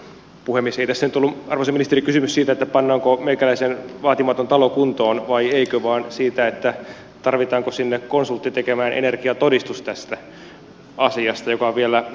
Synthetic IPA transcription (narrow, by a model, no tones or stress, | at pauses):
puhemːieseit̪æsːænyt̪olːuɑrʋoseminist̪erikysymyssiːt̪æet̪ːæpɑnːɑːŋkomeikælæisenʋɑːt̪imɑt̪ont̪ɑlokunt̪oːnʋɑieikøʋɑːnsiːt̪æet̪ːæ | t̪ɑrʋit̪ɑːŋkosinːekkonsult̪ːit̪ekemæːnʔḛnerkiɑt̪odist̪ust̪æst̪æ | ɑsiɑst̪ɑjokɑʋielæ